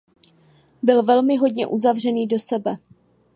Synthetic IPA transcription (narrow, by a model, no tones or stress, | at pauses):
bɪlvɛlmɪɦo̞dɲɛ̰ʔuzavr̝ɛniːdo̞sɛbɛ